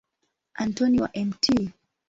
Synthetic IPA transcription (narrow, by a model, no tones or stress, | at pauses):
ʔantɔniwa̰ʔɛmtʰi